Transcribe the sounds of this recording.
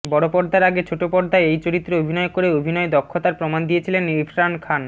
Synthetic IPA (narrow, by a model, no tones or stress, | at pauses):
bɔɽopɔɾd̪ʱaɾaɡet͡ɕʰoʈopɔɾd̪ʱaeejt͡ɕoɾit̪ːɾeobʱinɔekoɾeobʱinɔed̪ɔkʰːot̪aɾpɾomand̪ijet͡ɕʰilenifɾankʰan